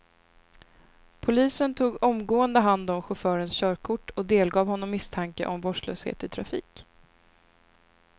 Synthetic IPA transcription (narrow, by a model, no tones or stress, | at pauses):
pʰʊliːsənt̪ʰuːɡɔmɡoːənd̪əɦand̪ɔmɧʊfœːɾənsɕœːɾkʰʊʈːɔd̪eːlɡɑːvhɔnːɔmːɪst̪ʰaŋkəʔɔmbɔʂlø̰ːshḛːt̪ɪt̪ʰɾafḭːk